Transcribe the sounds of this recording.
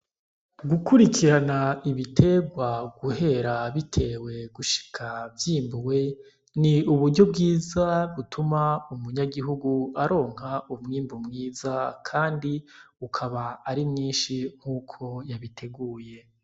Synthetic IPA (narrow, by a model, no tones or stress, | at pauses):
ɡukuɾikʰiɾanaiβitʰe̞ːɡwaɡuhe̞ɾaβitʰe̞ːwe̞ɡuʃi̥kʰavjiːmbuwe̞ | niuβuɾɟo̞b̚ɡiːzaβutʰumaumuɲaɡiɦuɡuaɾo̞ːŋ̥haumŋiːmbumŋiːzakʰaːndiukʰaβaːɾimɲiːnʃiŋ̥huːkʰo̞jaβitʰe̞ɡuːje̞